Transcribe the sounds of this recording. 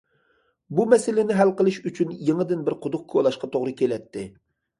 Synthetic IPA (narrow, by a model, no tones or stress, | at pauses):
bumɛsɪlɪnɪɦælqəlˠɪʃyt͡ʃʰynjeŋəd̪ɪnbɪɾqʰʊd̪ʊq̚kʰolˠɑʃqɑt̪ʰoʁɾɨkʲelɛt̪ʰːɪ